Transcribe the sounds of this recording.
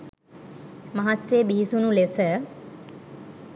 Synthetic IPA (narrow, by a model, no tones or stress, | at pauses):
maɦat̪ːseːbiɦisunulesə